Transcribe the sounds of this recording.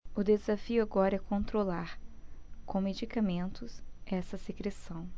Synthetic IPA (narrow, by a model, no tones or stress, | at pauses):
ʊd̪ezafiʊaɡɔɾɐɛkõnt̪ɾolaɾkõw̃med͡ʒikamẽnt̪ʊsɛsɐsekɾesɐ̃w̃